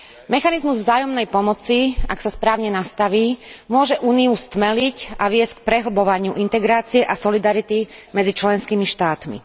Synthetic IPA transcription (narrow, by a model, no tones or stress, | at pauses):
mɛxanizmuzvzaːjɔmnɛjpɔmɔt͡siaksaspɾaːʊɲɛnast̪aʋiːmʊɔʒɛʔuːniust̪mɛlicaʋɪɛsck̚pɾɛɦl̩bɔʋaɲɪuʔint̪ɛɡɾaːt͡siɛʔasɔlid̪aɾit̪imɛd͡zit͡ʃlɛnskimiʃt̪aːt̪mḭ